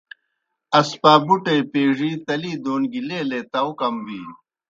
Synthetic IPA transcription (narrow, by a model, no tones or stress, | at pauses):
ɐspaːbuʈepeːʐit̪ɐliːd̪oːnɡileːleːt̪ɐukɐmbiː